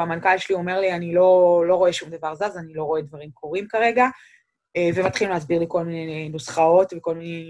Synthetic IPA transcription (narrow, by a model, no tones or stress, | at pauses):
amankalʃelio̞me̞ʁlianilo̞lo̞ʁo̞eʃumd̪avaʁzazanilo̞ʁo̞e̞d̪vaʁimkʰo̞ʁimkaʁe̞ɡa | evemat̪χilmlehasbiʁliko̞lminejnosχao̞tveko̞lminej